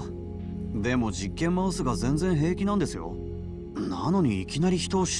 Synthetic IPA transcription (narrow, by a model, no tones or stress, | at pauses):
d̪e̞mo̞d͡ʑikːẽ̞mːaɯsɨɡazẽ̞nd͡zẽ̞ɰ̃ɦe̞ːkʲinãnd̪e̞sɨjo̞̰ | nano̞ɲ̟iːkʲinaɾʲiçi̥t̪o̞ːɕ